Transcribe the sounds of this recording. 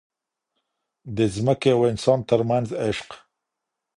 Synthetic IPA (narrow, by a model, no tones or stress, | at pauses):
d̪əzməkeawɪnsɑnt̪əɾmanzɪʃq